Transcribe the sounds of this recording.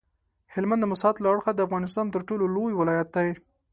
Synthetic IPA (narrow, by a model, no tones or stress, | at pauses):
hɪlmand̪əmʊsɑt̪laaɽxad̪əafɣɑnɪst̪ɑnt̪əɾʈololojwɪlɑjat̪̚d̪aje